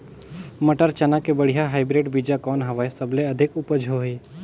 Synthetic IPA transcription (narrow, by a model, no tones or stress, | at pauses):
məʈəɾt͡ʃɐnakebəɽ̤ijaɦaːɪbɾeːɖbid͡ʒakɔːnɦɐʋaesəbleɐd̪ʱɪkʊpəd͡ʒʱoɦiː